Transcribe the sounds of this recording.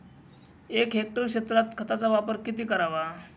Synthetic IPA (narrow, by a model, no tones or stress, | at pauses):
ekɦek̚ʈəɾkɕet̪ɾat̪kʰət̪at͡saʋapəɾkit̪iːkəɾaʋa